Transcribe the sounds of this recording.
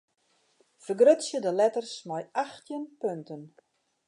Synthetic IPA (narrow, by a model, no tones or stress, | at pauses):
fərɡrøtsjədəlɛtərsmajʔaxtjənpøntən